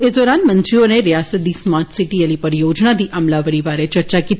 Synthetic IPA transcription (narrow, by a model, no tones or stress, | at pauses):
ɪsd̪ɔːɾaːnmɐ̃nt̪ɾiõneɾijaːsət̪̚d̪iːsmaːɾʈsɪʈijəlipɐɾjoːd͡ʒnad̪iʔɐmlaʋəɽibaːɾet͡ʃɐɾt͡ʃakiːt̪